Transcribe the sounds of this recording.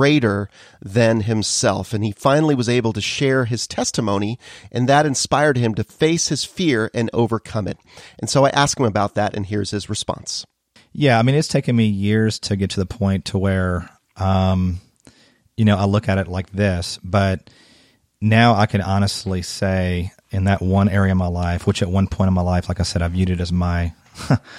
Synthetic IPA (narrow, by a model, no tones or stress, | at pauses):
ɹeɪɾə˞ | ðɨ̃nɨ̃msɛ̰lˠfɨ̃nifãɪ̃nl̩ˠiwʌzeɪbl̩ˠtɨʃɛɹɨz̥tʰɛstəmõʊ̃niʔɨ̃nðɨɾɨ̃nspaɪə˞d̚ɨ̃mtɨfeɪshɨz̥fɪɹɨ̃no̰ʊvə˞kʰʌ̃mɨ̰t̚ʔn̩soʊaɪʔæskhɨ̃məbaʊt̪̚ðɨɾɨ̰̃nɦiɹz̥ɨzɹɨspɑ̰̃ns | jæaɪmĩnɨtstʰeɪkɨ̃nmijɪɹz̥tʰɨɡɛtʰɨðəpʰɔ̃ɪ̃ntʰəwə˞ | ʔʌ̃m | jɨnoʊaɪlʊkɨɾɨtˡlaɪk̚ðɪsb̥ʌt̚ | naʊaɪkʰɨ̃nɑñɨstˡliseɪ | ɨ̃nðɨʔ̚wʌ̃nɛɹiɨʌvmaɪlaɪfwət͡ʃɨt̚wʌ̃npʰɔ̃ɪ̃ɾ̃ʌvmaɪlaɪflaɪkaɪsɛɾaɪvjʉɾɨɾɨzmaɪ